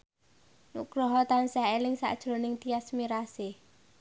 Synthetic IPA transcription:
nṵʔɡ̥ɾɔɦɔt̪ansaelɪŋsa̰ʔd̥ʒ̥ɾo̤nɪŋt̪iasmiɾase

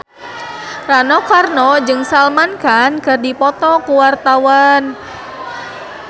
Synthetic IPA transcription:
ranɔkarnɔd͡ʒɨŋsalmankankɨrdipɔt̪ɔkuwart̪awan

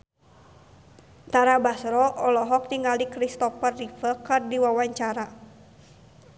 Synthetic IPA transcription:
t̪aɾabasɾɔʔɔlɔɦɔk̚niŋalikɾist̪ɔfərːifəkɨrdiwawaɲt͡ʃaɾa

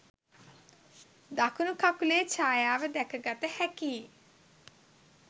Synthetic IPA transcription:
d̪akʰunukʰakuleːt͡ʃʰaːjaːʋəd̪ɛkʰəɡat̪əhɛkiː

